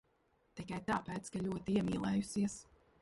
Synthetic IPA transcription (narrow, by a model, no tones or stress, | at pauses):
t̪ikajt̪aːpɛːt̪skaʎʲuɔt̪iiɛmiːlˠɛːjusiɛs